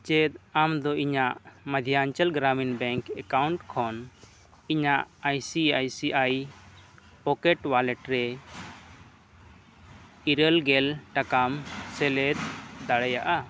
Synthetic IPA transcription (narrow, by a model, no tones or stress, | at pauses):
t͡ʃɛd̪̚amd̪ɔiɲaʔməd̪ʱijaaɲt͡ʃalɡɾaminbɛŋkɛkawɳʈkʰɔn | iɲaʔajsiajsiʔaj | pɔkɛʈwalɛʈɾɛ | iɾəlɡɛlʈakamsɛlɛt̪̚d̪aɽɛjaʔa